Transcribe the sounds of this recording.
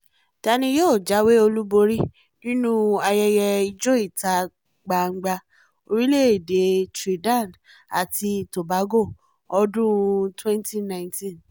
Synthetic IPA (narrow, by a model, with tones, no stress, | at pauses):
ta˧nĩ˧˦jɔ˦˨d͡ʒa˨˦we˦o˧lu˦bo˧ɾi˦ | nĩ˦nũ˦a˧jɛ˧jɛ˧i˧d͡ʒo˦i˦˨ta˨˦ | ɡ͡ba˨ŋ͡m̩˦ɡ͡ba˧ | o˧ɾi˦le˦e˨de˨˦tɾi˨dã˦˨nd | a̰˨ti˧to˨ba˨˦ɡo˦˨ | ɔ˧dũ˦twɛ̃˦n˦ti˦nã˦ntĩ˦n